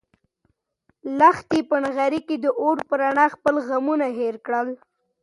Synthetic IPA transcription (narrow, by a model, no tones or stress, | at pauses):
laxt̪epəɳɣaɾiked̪əʔoɽpəɾaɳɑxpəlɣamunaɦeɾkɽəl